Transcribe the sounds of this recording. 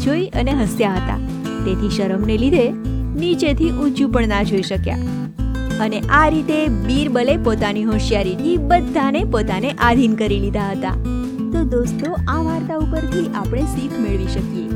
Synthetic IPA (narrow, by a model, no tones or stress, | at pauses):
d͡ʒoiəneɦəsjaɦət̪a̰ | t̪et̪ʰiʃəɾəmnelid̪ʱenit͡ʃet̪ʰiʔũt͡ʃũpəɳnad͡ʒʱoiʃəkja̰ | əneʔaɾit̪ebiɾbəlepot̪aniɦõʃjaɾit̪ʰibəd̪ʱːanepot̪aneʔad̪ʱinkəɾilid̪ʱaɦət̪a̰ | t̪od̪ost̪oaʋaɾt̪aupəɾt̪ʰiʔapɽ̃esikʰmeɭʋiʃəkije